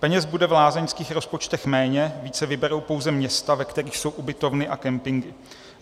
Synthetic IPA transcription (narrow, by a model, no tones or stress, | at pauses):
pɛɲɛzbudɛvlaːzɛɲskiːxɾo̞spo̞t͡ʃt̪ɛxmɛːɲɛviːt͡sɛvɪbɛɾo̞wpo̞wzɛmɲɛst̪avɛkt̪ɛɾiːxso̞wʔubɪt̪o̞vnɪʔa̰kɛmpɪŋɡɪ